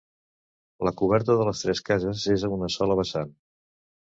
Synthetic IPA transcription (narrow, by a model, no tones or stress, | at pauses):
ləkuβ̞ɛɾt̪əðələst̪ɾɛskazəzezəunəsɔləβ̞əsan